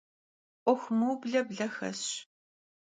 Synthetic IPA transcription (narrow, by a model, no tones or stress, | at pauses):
ʔʷɔxʷmuːbɮɐbɮɐxɐ̰ɕ